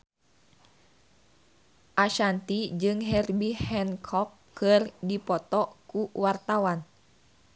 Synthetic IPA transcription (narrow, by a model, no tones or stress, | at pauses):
ʔaʃant̪id͡ʒɨŋɦɛrbihɛnkʰɔkʰːɨrdipɔt̪ɔkuwart̪awan